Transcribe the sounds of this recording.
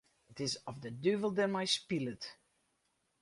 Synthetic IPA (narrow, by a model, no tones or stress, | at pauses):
ɪtɪzɔvðədʉvəl̩ˠdəmajspɪlɪt